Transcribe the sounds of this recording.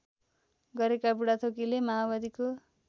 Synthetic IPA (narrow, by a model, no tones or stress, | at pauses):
ɡʌɾekabuɽat̪ʰokilemaɦabad̪iko